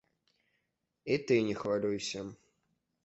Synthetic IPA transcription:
it̪ɨnʲɪxvalʲujsʲɐ

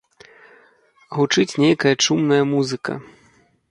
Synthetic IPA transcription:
ɣut͡ʂɨt͡sʲnʲejkɐjɐt͡ʂumnɐjɐmuzɨkɐ̰

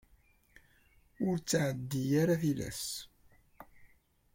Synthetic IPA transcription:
ʊɾt͡sːʕəd̪ːijaɾaθilæ̰s

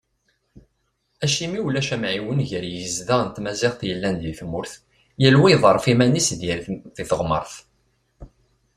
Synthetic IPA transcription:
æʃimiwlæʃæmʕiwənʝəɾjəzðæʁnt̪mæzɪʁθjəlːænd̪iθmʊɾθ | jəlwiðˤəɾˤfimænisðjəɾðiθəʁmə̰ɾˤθ

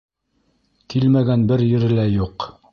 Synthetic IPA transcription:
kilmæɡænbɘɾjɘ̆ɾɘ̆læjuq

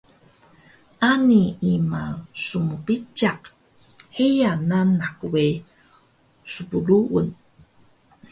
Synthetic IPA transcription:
ʔaniimasumupit͡ʃaq | hejananːakuwe | supuluʔṵn

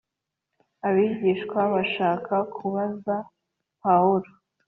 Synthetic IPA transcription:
aβiːɟiːʃkwaβaʃaːkʰakʰuβaza | pauɾo

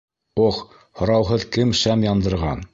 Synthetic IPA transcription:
oχ | hŏɾɑwɦɤðkɘmʃæmjɑnd̪ɤ̆ɾʁɑn

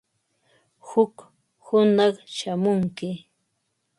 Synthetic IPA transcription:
hʊk | hʊnɑχʃamʊŋkɪ

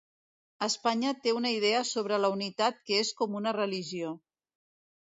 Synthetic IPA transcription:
əspaɲət̪eunəið̞ɛəsoβ̞ɾələunit̪at̪̚kəeskɔmunərəliʒio

